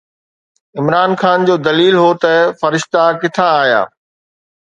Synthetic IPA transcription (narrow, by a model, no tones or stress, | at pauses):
ɪmɾaːnxaːnd͡ʑoːd̪ɐliːlɦot̪ɐfɐɾɪʃt̪akɪt̪ʰãaːɦija̰ː